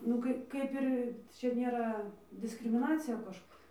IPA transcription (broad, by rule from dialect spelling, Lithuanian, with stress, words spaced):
nʊ ˈkɐɪ ˈkɐɪp ɪr ˈt͡ʃʲɛ ˈnʲeːrɐ dʲɪskrʲɪmʲɪˈnɑːt͡sʲɪjɛ ˈkɐʃ